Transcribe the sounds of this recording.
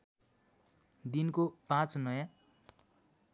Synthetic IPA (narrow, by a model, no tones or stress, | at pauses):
d̪inkopãt͡snʌjã